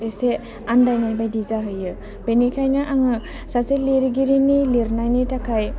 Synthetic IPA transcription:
ɾese | andajnajbajdizaɦɯjɯ | b̥enikʰajnaʔaŋɯ | saseleɾɡiɾinileɾnajnitakʰaj

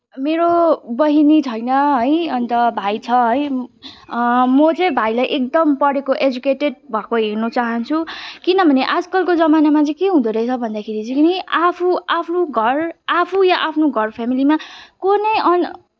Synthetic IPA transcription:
meɾobʌɦinit͡sʰʌjnʌɦʌjʌnt̪ʌbʱajt͡sʰʌɦʌj | mʌt͡sʌjbʱajlajʔek̚d̪ʌmpʌɽekoʔed͡zukeʈeɖ̚bʱakoɦernut͡saɦʌnt͡sʰukinʌbʱʌneʔad͡zkʌlkod͡zʌmanamat͡sʌ̃j̃keɦũd̪oɾʌjt͡sʰʌbʱʌnd̪akʰeɾit͡sʌjʌapʰuapʰnuɡʱʌrapʰujaʔapʰnoɡʱʌrpʰamilimakonʌjʌn

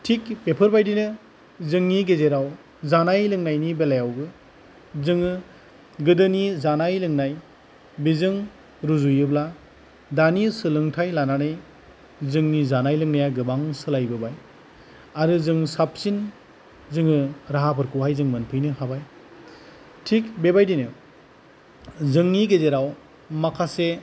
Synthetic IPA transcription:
tʰikpepʰɯɾbajdinɯ | zɯŋniɡezeɾaw | zanajlɯŋnajnibelajawɡɯ | zɯŋɯ | ɡɯdɯnizanajlɯŋnaj | bizɯŋ | ɾuzujɯbla | danisɯlɯŋtʰajlananaj | zɯŋnizanajlɯŋnajaɡɯbaŋsɯlajbɯbaj | aɾɯzɯŋsap̚sin | zɯŋɯɾaɦapʰɯɾkuɦajzɯŋmɯnpʰɯjnɯhabaj | tʰik̚bebajdinɯ | zɯŋniɡezeɾaw | makʰase

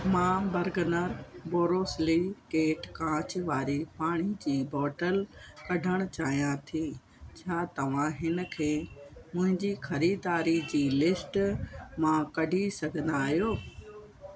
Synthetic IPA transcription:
mãːbɐɾɡənəɾboːɾoːslikeːʈkãːt͡ɕɪʋaːɾipaːɽ̃id͡ʑiːbɔːʈəlkɐɖʱəɽ̃ʊt͡ɕaːɦijãt̪ʰiː | t͡ɕʰaːt̪ɐʋ̤ãɦɪnə̆kʰeːmʊ̃ɦɪ̃ɲd͡ʑixɐɾiːd̪aːɾid͡ʑiːlɪsʈmãkɐɖʱisɐɡʱə̃nd̪aːɦijoː

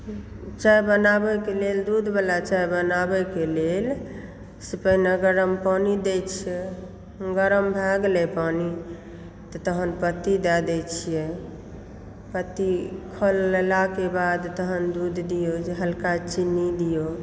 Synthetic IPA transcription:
t͡ʃajbənabɛkeleld̪ud̪ʱbelat͡ʃajbənabɛkelel | sipəinəɡəɾəmpanid̪et͡ʃʰijɛ | ɡəɾəmbʱɛɡlepani | t̪ɔt̪əɦənpət̪id̪ɛd̪ɛt͡ʃʰijɛ | pət̪ːikʰolːelakebad̪t̪əɦənd̪ud̪ʱd̪ijod͡ʒeɦəlkat͡ʃinid̪ijo

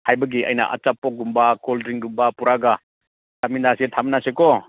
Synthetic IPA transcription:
hajbɐɡia̰jnɐ̰ʔa̰t͡ʃapːɔk̚ɡumbakoldɾiŋɡumbapuɾaɡɐ | taminasitʰaminasekɔ

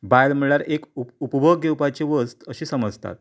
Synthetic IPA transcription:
bajlm̤əɭaɾekuupbʱəɡewpat͡ɕeʋəst̪əɕiːsəməd͡zt̪a̰t̪̚

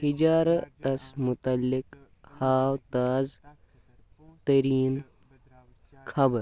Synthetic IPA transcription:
hid͡ʒaːɾɐt̪ɐsmʊt̪ɐlːik | haːwt̪aːz | t̪ɐɾiːn | kʰɐbəɾ

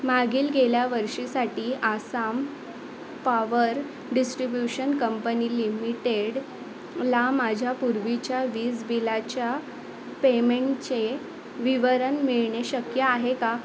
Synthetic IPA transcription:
maɡiːlɡeljaʋəɾʂisaʈiːʔasam | paʋəɾ | ɖisʈɾibjuɕənkəmpəniːlimiʈeɽ | lamad͡ʑʱjapuɾʋit͡ɕjaʋiːd͡zbilat͡ɕja | pemeɳʈt͡ɕe | ʋiʋəɾənmiɭɳeɕəkjəaɦeka

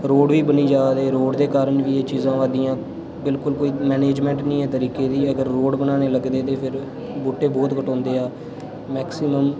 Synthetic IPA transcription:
ɾoːɽʋiːbəniːd͡ʒaːd̪eːɾoːɖd̪eːkaːɾəɳʋiːeːt͡ʃiːzãːʋaːd̪iːãː | bɪlkʊlkoːiːmɛːneːd͡ʒmɛ̃ːɳʈnĩːɛːt̪əɾiːkeːd̪iːəɡəɾːoːɖbənaːneːləɡd̪eːt̪eːpʰɪɾ | boːʈːeːbɔːt̪kəʈɔ̃ːnd̪eːaː | mɛːksiməm

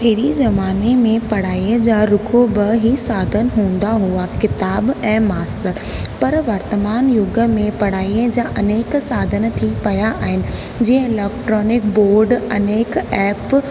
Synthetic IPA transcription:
peɾizɐmaːnemẽpɐɽ̤aːiə̃d͡ʑaːɾʊkʰobəɦisaːd̪ʱənɦũːn̆d̪aɦuakɪt̪aːbɛ̃ːmaːstəɾ | pɐɾʋɐɾt̪əmaːnjʊɡə̆mẽpɐɽ̤aːiəd͡ʑaːʔɐneːksaːd̪ʱən̆t̪ʰipɐjaʔaːɦɪnɪ̆ | d͡ʑĩːə̃ɪlɛːkʈɾɔːnɪk̚boːɾɖɐneːkɛːp

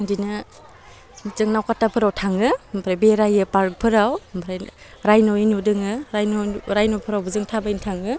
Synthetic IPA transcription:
dinɯ | zɯŋnawkatːapʰɯɾawtʰaŋɯmpʰɾajbeɾajɯpaɾk̚pʰɯɾawmpʰɾajɾajnɔinudɯŋɯɾajnɾajnɔpʰɯɾawbɯzɯŋtʰabajintʰaŋɯ

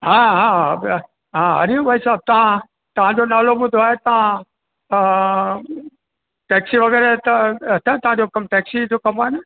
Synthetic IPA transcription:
ɦãːɦãː | ɦãɦɐ̰ɾiʋɐisaːb̚t̪ɐʋ̤ã | t̪ɐʋ̤ãd͡ʑonaːloɓʊd̪ʱoaːɦet̪ɐʋ̤ã | ʈɛːksiʋɐɡɛːɾet̪ɐt̪ʰɐ̃t̪ɐʋ̤ãd͡ʑokɐmʈɛːksid͡ʑokɐmaːɪn

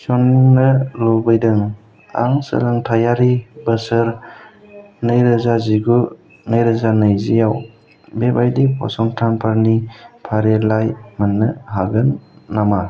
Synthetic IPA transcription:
sɔnŋnɯlɔbɯjdɯŋ | a̰ŋsə̰ɾaŋtʰajaɾibəsɯɾ | nɯjɾɯzaziɡu | najɾɯzanɯjzijaw | bebajdipʰɔ̰sɔŋtʰanpʰaɾnipʰaɾelajmanːɯɦaɡɯnːama

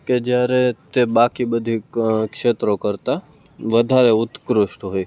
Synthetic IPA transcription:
ked͡ʒjaɾet̪ebakibəd̪ʱikkʃet̪ɾokəɾt̪a | ʋəd̪ʱaɾeʊt̪kɾʊʃʈɦoj

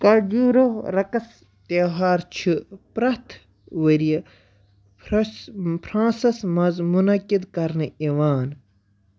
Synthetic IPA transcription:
kɐɾd͡ʒuːɾoɾɐkɐs | t̪eɦaːɾt͡ʃʰɨpɾɐt̪ʰ | wəɾiɐ | pʰɾãːsɐsmɐzmunɐkid̪kɐɾnɨiwaːn

